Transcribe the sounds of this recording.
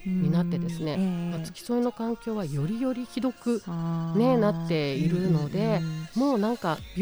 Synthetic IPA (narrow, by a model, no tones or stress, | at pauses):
ɲ̟inat̪ːe̞d̪e̞sɨne̞kat͡sɨ̥kʲi̥so̞ino̞kãŋkʲo̞ːβajo̞ɾʲijo̞ɾʲiçid̪o̞kɯ̟ne̞natt̪ːe̞iɾɯ̟no̞d̪e̞mo̞ːnãŋka